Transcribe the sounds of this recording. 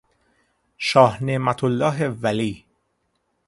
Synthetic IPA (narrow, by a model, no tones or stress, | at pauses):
ʃɒːhneʔmæt̪ʰolːɒːɦevæliː